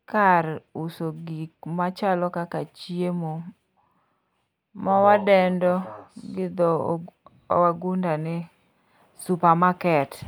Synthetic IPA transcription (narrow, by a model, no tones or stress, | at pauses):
kaɾusoɡikmat͡ʃalɔkakat͡ʃiemo | mawadɛndɔɡɪd̪ɔ | waɡundanɛ | supamakɛt